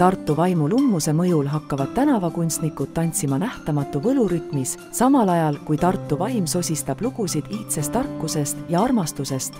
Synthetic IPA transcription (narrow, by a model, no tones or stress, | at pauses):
t̪ɑrt̪ːˑuvɑjmulumːuse̞mɤjulɦɑkːɑvɑd̥̪̚t̪ːænɑvɑkunʲst̪nikːud̪̥̚t̪ɑnʲt̪simɑnæht̪ɑmɑt̪ːˑuvɤluɾyt̪mis | sɑmɑlɑjɑlkujt̪ɑrt̪ːˑuvɑjmso̞sʲist̪ɑb̥luɡ̥usid̪̥iht̪se̞st̪ːɑrkːuse̞st̪jɑɑrmɑst̪use̞st̪